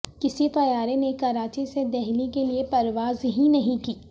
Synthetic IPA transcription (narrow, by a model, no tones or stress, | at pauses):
kɪsit̪ɐjaːɾenekɐɾaːt͡ʃised̪ɛɦlikeliepɐɾʋaːzɦĩnɐɦĩkiː